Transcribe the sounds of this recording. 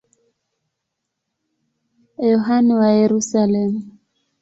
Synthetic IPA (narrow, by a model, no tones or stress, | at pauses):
jɔɦanɛwajeɾusalɛmu